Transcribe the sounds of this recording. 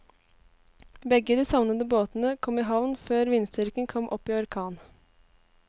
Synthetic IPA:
bɛɡəd̪iːsɑʋnəd̪əboːt̪n̩əkʰɔmiːɦɑʋnføːɾʋɪnst̪ʏɾkənkʰɔmʔɔpːiːɔɾkʰɑːn

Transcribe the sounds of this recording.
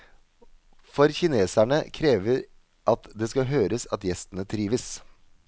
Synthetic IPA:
fɔɾçɪneːsæɳəkʰɾeːʋəɾ | ʔɑt̪d̪ɛːskɑɦøːɾəsɑt̪jɛst̪ənət̪ʰɾiːʋəs

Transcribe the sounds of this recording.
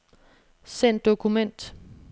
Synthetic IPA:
sen̰d̥o̝kʰumen̰d̥

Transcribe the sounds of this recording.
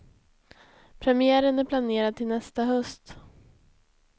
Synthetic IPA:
pʰɾɛmɪæːɾənæɾpʰlaneːɾad̪̚t̪ʰːɪlnɛst̪aɦœst̪

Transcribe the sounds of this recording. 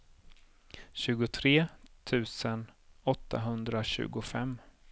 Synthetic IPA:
ɕʉ̟ːɡʊt̪ʰɾeːt̪ʰʉ̟ːsənɔt̪ʰːa̰ɦɵnd̪ɾaɕʉ̟̰ːɡʊfɛmː

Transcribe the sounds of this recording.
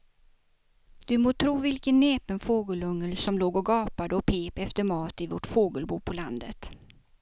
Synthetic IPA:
d̪̥ɵmoːt̪ʰɾuːvɪlkənːeːpənfoːɡəlɵŋːəlsɔmloːɡɔɡɑːpad̪əɔpʰeːpɛft̪əɾmɑːt̪ɪvɔʈfoːɡəlbuːpʰɔland̪ə̰t̪

